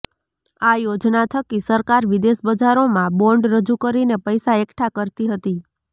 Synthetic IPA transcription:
ajod͡ʒnat̪ʰəkisəɾkaɾʋid̪esbəd͡ʒaɾomãbɔɳɖɾəd͡ʒukəɾinepəjsaekʈʰakəɾt̪iɦət̪i

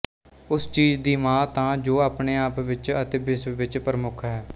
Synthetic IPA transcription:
ʊst͡ʃiːd͡ʒd̪iːmãːt̪ãːd͡ʒoːaːpneːaːpʋɪt͡ʃət̪eːbɪsʋɪt͡ʃpəɾəmʊkʰɦɛː

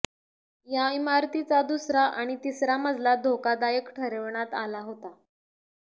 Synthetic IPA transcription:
jaimaɾt̪it͡sad̪usɾaʔaɽ̃it̪isɾaməd͡zʱlad̪ʱokad̪ajəkʈʰəɾəʋɳat̪alaɦot̪a

